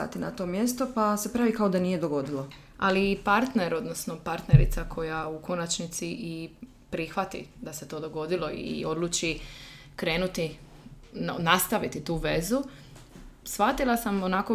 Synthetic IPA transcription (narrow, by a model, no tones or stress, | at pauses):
a̰t̪ina̰t̪o̞mje̞st̪o̞pase̞pɾaʋikaod̪anije̞d̪o̞ɡo̞d̪ilˠo | a̰liːpaɾt̪ne̞ɾo̞d̪nosno̞paɾt̪neɾḭt̪sakʰo̞jauko̞nat͡ʃnit̪siʔi | pɾixʋat̪ḭd̪aset̪o̞ːd̪o̞ɡo̞d̪ilˠo̞ḭo̞d̪lut͡ʃi | kɾe̞ːnut̪i | nast̪aʋit̪it̪uːʋe̞zu | sʋat̪ilˠasamonako